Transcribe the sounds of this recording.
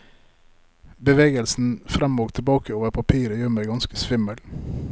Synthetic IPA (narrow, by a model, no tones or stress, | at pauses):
bəʋeːɡəlsn̩fɾɛmoːɡt̪ʰəbɑːkʰəoːʋəɾpʰɑpʰiːɾəjøːɾmæɪɡɑnskəsʋɪməl